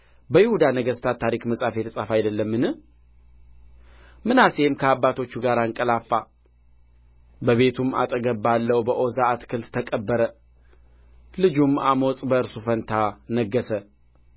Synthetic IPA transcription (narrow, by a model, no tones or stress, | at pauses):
bəjɪhud̪anəɡəst̪ʰat̪ʰːaɾikməsʼafe̞t̪sʼafajd̪əlːəmːɨnɨ | mɨnase̞mkʰəabːat̪ʰo̞t͡ʃːuɡaɾaɨŋkʼəlafːa | bəβe̞t̪ʰuma̰t̪ʼəɡəbːalːəwbəʔo̞zaːt̪kʰɨlt̪t̪ʰːəkʼəbːəɾə | lɨd͡ʒumamosʼbəɨɾsufənt̪ʰanəɡːəsə